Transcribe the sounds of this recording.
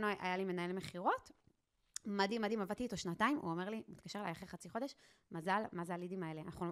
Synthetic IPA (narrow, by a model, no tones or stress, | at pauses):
noa̰jalime̞nae̞lmeχiʁo̞t | mad̪imad̪imavat̪iːt̪o̞ʃnataimʔṵomeʁlimit̪kaʃe̞leajaχeχat͡siχo̞d̪eʃ | mazalmazalid̪imaeleanaχu